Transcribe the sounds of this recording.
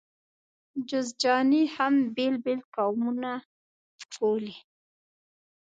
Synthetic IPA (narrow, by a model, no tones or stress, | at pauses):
d͡ʒʊzd͡ʒɑnihambelbelkawmuna | koli